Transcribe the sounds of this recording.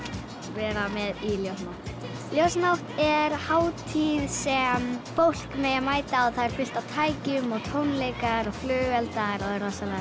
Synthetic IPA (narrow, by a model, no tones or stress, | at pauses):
vɛːɾamɛðiljowsnawt̪ | ljowsnawht̪ɛɾhaːwt̪ʰiðsɛmfowl̥kmɛamaːjt̪aːðθajɾ̥fʏl̥st̪at̪ʰaːjcʏmɔɣt̪ʰownlejkaɾɔɣflʏːvɛlt̪aɾɔɣɛɾɔsalɛːa